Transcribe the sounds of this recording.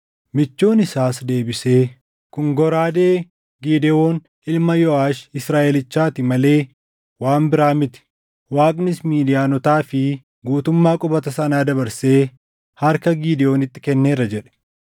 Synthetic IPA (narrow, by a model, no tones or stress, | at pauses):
mɪt͡ʃːo̞ːnɪsaːsd̪e̞ːbɪse̞ː | kʊŋɡɔɾaːd̪eː | ɡiːd̪ɛo̞ːn | ɪlmɐjɔaːʃɪsɾaːʔɛlɪt͡ʃːaːt̪ɪmɐle̞ː | waːmbɪɾaːmɪt̪ɪ̥ | waːkʼnɪsmiːd̪ɪjaːnɔt̪aːfɪ | ɡuːt̪ʊmːaːkʼɔbɐt̪ɐsɐnaːd̪ɐbɐɾse̞ː | hɐɾkɐɡiːd̪ɛo̞ːnɪt̪ːɪkɛnːeːrːɐd͡ʒɛᶑɛ̥